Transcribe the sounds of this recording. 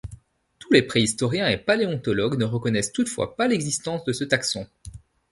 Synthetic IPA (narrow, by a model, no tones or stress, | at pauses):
t̪ulepχeist̪ɔʁjɛ̃epaleɔ̃t̪ɔlɔɡnəʁəkɔnɛst̪ut̪fwa̰palɛɡzist̪ɑ̃sd̪əsət̪aksɔ̃